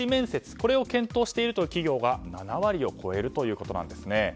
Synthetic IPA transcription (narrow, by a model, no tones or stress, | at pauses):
imẽ̞ɰ̃se̞t͡sɨ̥ko̞ɾe̞o̞kẽ̞nt̪o̞ːɕi̥t̪e̞iɾɯ̟t̪o̞jɯ̟ːkʲiɡʲo̞ːɡananaβaɾʲio̞kʰo̞e̞ɾɯ̟t̪o̞jɯ̟ːko̞t̪o̞nã̰nd̪e̞sɨne̞